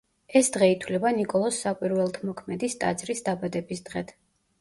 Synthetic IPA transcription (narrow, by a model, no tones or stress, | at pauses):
ɛsd̪̥ʁɛit̪ʰwlɛbanikʼɔlˠɔsːakʼwiɾvɛlˠt̪ʰmɔkʰmɛd̪ist̪ʼa̰d̪zɾisd̪abad̪ɛbisd̪ʁɛt̪ʰ